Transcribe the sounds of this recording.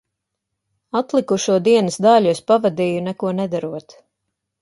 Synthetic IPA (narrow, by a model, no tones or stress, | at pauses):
at̪lˠikuʃuɔd̪iɛnəsd̪aʎʲuuspavad̪iːjunɛkuɔnɛd̪aɾuɔt̪